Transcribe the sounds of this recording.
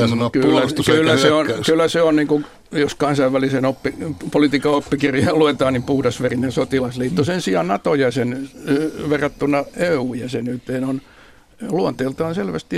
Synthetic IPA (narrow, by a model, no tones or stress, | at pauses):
kylːæklːæseonkylːˑæseonniːŋku | joskɑnsɑiʋːælisenopːipolit̪iːkɑopːikirjɑɑluet̪ɑːnnimpuhdɑsʋerinensot̪ilɑsliːt̪ːusensiɑnnɑt̪ojɑsen | ʋerːɑt̪ːunːɑeuːjɑsenyt̪ːeːnon | luont̪eːlt̪ɑːnselʋæst̪i